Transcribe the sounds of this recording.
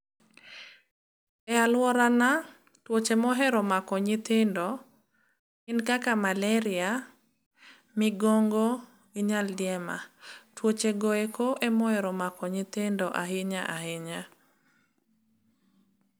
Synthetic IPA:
ɛalwɔɾana | twot͡ʃemɔɦɛɾɔmakɔɲɪt̪ɪndɔ | ɪnkakamalɛɾɪa | mɪɡɔŋɡɔ | iɲaldjɛma̰twot͡ʃeɡɔekoʔɛmɔhɛɾɔmakɔɲɪt̪ɪndɔʔaɦɪɲaʔahɪɲa

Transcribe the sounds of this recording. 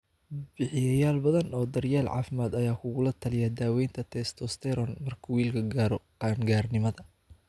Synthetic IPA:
bɪħɪjɐjaːlbɐðɐnɔːd̪ɐrjaːlʕɑ̰ːfɪmaːd̪ɐjaːkʰʊɣʊlɐt̪ʰɐlɪjɐd̪aːwɛjnt̪ʰɐt̪ʰɛst̪ʰɔst̪ʰɛɾɔnmɐrkʰɐwiːlkʰɐɡaːɾɔqɑːŋɡaːrnɪmɐðɐ

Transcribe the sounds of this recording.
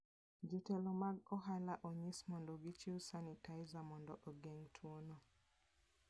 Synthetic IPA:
d͡ʒutɛlɔmaɡɔɦalaʔɔɲismɔndɔɡit͡ʃiusanitaizamɔndɔʔɔɡɛŋtʰwonɔ

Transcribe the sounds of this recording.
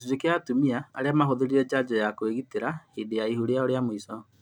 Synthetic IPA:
d͡ʒekeatumia̰ːɾeamaɦoðeɾiɾɛd͡ʑad͡ʒɔjakoeɣiteɾahidejaiɦuɾeaoɾeamoisɔ

